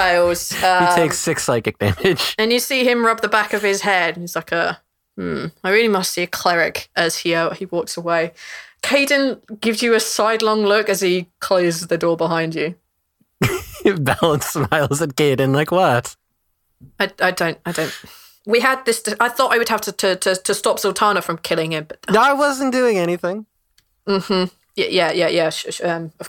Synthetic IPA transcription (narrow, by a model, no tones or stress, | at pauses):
aɪlˠz̥ʌhitʰeɪksɪksaɪkɨk̚d̥æ̰mɪd̥ʒ̥ə̃njɨsiːɪ̃mɹʌb̚ðəbakəv̥ɪz̥hɛd̥̃n̩iz̥laɪkə | m̩aɪɹɪːlimʌstsiɨkʰl̥ɛɹɪkʔəz̥hiaʊʔhiwɔˑksəweɪkʰeɪdⁿə̃nɡ̥ɪvzjəəsaɪdˡlɒ̃ŋlʊkəz̥ikʰl̥oʊzðədɔːbɪɦãɪ̃nd͡ʒɨ | bɛlˠə̃nsmaɪlˠzɨtkeɪd̃ⁿnlaɪkwʌt | aɪaɪdə̃ʊ̃ntaɪdə̃ʊ̃nt | wiəd̪̚ðɪsdɪaɪθɔˑtaɪwəd̚haftʰətʰətʰətʰəstɒpsəlˠtʰɑːnəfɹə̃mkʰɪlɪ̃ŋɪ̃mb̥ʌʔ̪naɪwʌzə̃n̩d̥ʉɪ̃ŋɛñiθɪ̃ŋ | m̩m̥m̩ | jæ̰jʔæjæjæʃʌ̃mə